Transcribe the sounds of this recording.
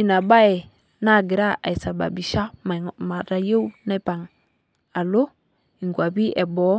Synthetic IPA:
i˨na˨ba˦e˨ | na˦˨ɡi˨ɾa˦a̰˨i˨sa˨ba̰˨bi˨ʃa˦˨ma˨ɾa˨je˦u˦na˦pa˨ŋ | a˨lo˦ | i˨ŋɡʷa˨bi˦ʔe˨bɔ˨˦

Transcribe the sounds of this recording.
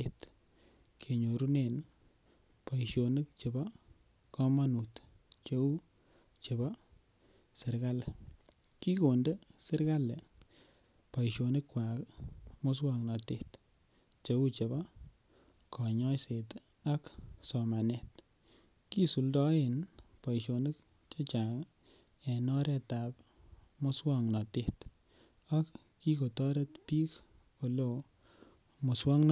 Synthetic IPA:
et | kʰe˨ɲo˨ɾu˦ne˨n | pa˨iʃo˨nɨ˦k̚t͡ʃe˨bɔ˦ | kɔ˦ma˦nu˨t | t͡ʃe˦u˦ | t͡ʃe˨bɔ˦ | sɪ˨ɾka˦l | ki˦ko˨nde˦sɪ˦ɾka˦le˨ | pa˨iʃo˨ni˦kːwa˨kmo˦s̬wa˨ŋnɑ˨te˦t | t͡ʃe˦u˦t͡ʃe˨bɔ˦ | kʰɔ˨ɲɔ˦jse˨t | a˦ksɔ˨ma˨nɛ˦˨t | ki˦su˨ldɔ˦e˨npa˨jʃo˨nɪ˦k | t͡ʃɔ˦t͡ʃa˨k | ɛ˨nɔ˦ɾɛ˨ta˨p̚ | mo˦swɔŋnɔ˨te˦t | a˦kː | i˦ko˨tɔ˦ɾe˦tpi˦k | o˨lo˨ | mo˨swɔ˦ŋn

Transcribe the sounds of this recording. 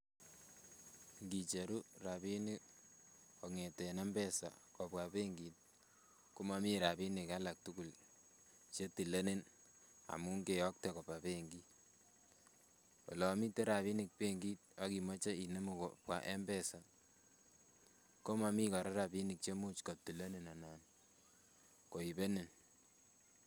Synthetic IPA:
ŋɡi˨t͡ʃe˨ɾu˦ra˨pi˦ni˦ | ɔ˨ŋe˨te˨nɛ˦mbɛ˦sa̰˨kɔ˨pwa˨pe˦ŋɡi˨t̚ | ko˦ma˨mi˦ɾa˨pi˦ni˨ka˦la˨k̚tu˦ku˨l | t͡ʃe˦ti˨le˦ne˦n | a̰˨mu˦ŋɡe˨jɔ˦k̚te˨kɔ˨pa˨pe˦ŋɡi˦ | wɔ̰˨lɔ˨mi˦te˦ɾa˨pi˦ni˨k̚pe˦ŋɡi˦t̚ɔ˦ki˨mɔ˦t͡ʃe˦i˨ne˦mu˨kɔ˨pwa̰˨ʔɛ˦mbɛ˦sa˨ | ko˦ma˨mi˦kɔ˨ɾa˦ɾapi˦ni˨k̚t͡ʃe˦mu˦t͡ʃkɔ˨p̚ti˨le˦ne˨na˨na˨n | ko˨i˨be˦ne˨n

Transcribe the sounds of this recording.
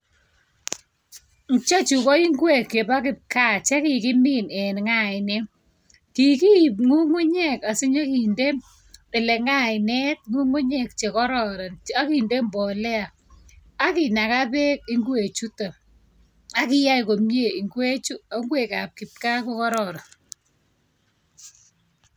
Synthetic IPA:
ŋt͡ʃa˦t͡ʃu˨kɔ˦i˦ŋɡwe˦˨kːje˨ba˦kɪ˨p̚ka˦˨t͡ʃe˦ki˨kɪ˦mɪ˦nɛ˨nŋa˦ɪ˨ne˦ | ki˨ki˦˨p̚ŋu˦ŋu˦ɲɛ˦ka˨sɪ˦ɲa˦ki˨nde˦m | ɪ˨le˨ŋa˦˨ɪ˨nɛ˦t̚ŋu˦ŋu˦ɲɛ˦kt͡ʃe˨kɔ˦ɾɔ˨ɾa˨na˦ki˨nde˦mbɔ˨lɛ˦a˨ | a˦ki˨na˨ka˦pe˦k̚i˦ŋɡwe˨t͡ʃu˦ta˨ | a˦kɪ˦ja˦jko˨mje˦˨i˨ŋɡwe˦t͡ʃu˦a˦ŋɡwe˨ka˨p̚kɪ˨p̚ka˦ko˦kɔ˦ɾɔ˨ɾa˨n

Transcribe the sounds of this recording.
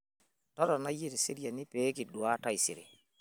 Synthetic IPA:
tɔ˦ɾa˨na˦ji˦ɾi˨se˦ɾi˦ja˨ni˦pe˦ki˨ɗu˨wa˦ta˦jsḭ˨ɾḛ˨

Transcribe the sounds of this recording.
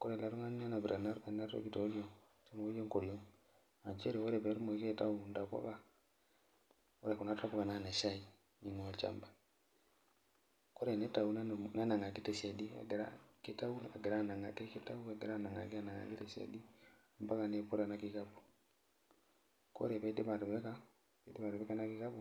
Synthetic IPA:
ko˦ɾe˨la˨ɾu˦ŋa˦ɲ˦a˦na˨bɾa˨na˦ɾbe˨na˦to̰˦ɡi˨to˨˦ɡi˦o˨ŋ | ti˦n˨wo˦ɡo˦ŋko˨ɾi˨o˦ŋ | a˨ɲt͡ʃe˦ɾe˨wo˦ɾe˨be˨˦ɾmo˨˦ke˦˨ta˦u˨nda˨ka̰˦ka˨ | o˦ɾe˨ku˨na˦ta˦po˦ka˨na˦˨ne˨ʃa˦i˨ | ɲi˨ŋ˨a˨t͡ʃa̰˦˨mba˨ | ko˦ɾɛ˨nɛ˦ta˨u˨nna˦na˨ŋɡa˨ki˦tɛ˨sia˨di˦a̰˨ɡɾa̰˦ki˦ta˦u˦n˨a˨ɡɛ˨ɾa˦˨na˨ŋɡa˨ke˦ki˦ta˦u˦a˨ɡe˨ɾa˦˨na˨ŋɡa̰˨ɡa˦na˨ŋɡa̰˨ki˦tɛ˨sa̰˨di˦˨ | mba˦ka˨ne˦pu˦ɾa˨na˦ki˨ka˦bu̥˨ | ko̰˦ɾɛ˨βa˨˦di˦βa˨ɾβɛ˦ka˦ | e˨˦di˦βa˨ɾu˨βɛ˦ka˦na˦ki˦ka˦bu˦

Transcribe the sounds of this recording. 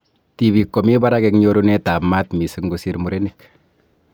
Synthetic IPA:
ti˨bi˨kːɔ˨mi˦ba˦ɾa˦kɛkɲo˦ɾunɛ˦ta˨pma˦tmi˨sɪkŋɡo˦si˦ɾmu˨ɾe˦nɪk

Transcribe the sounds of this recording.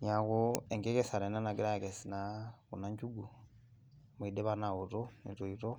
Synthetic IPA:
ɲa˨kue˨ŋɡe˦ke˦sa˨ɾe˨na˦na˨ɡi˦ɾa˦ke˨si˨na˦kṵ˨na˦ɲɟu˦ɡu˨ | mu˨i˨de˦βa˦na˨wu˨to˦ni˨tu˨iɾo˦

